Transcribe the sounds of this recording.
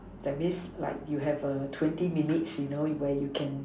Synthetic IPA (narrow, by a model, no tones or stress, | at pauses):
d̥ɛt̚mĩsla̰ɪk̚juɦɛvətʰwɛ̃ntiminitsjunowɛjukʰɛ̃n